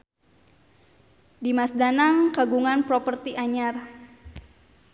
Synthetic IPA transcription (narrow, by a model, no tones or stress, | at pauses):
dimasdanaŋkaɡuŋanpɾopərt̪iʔaɲar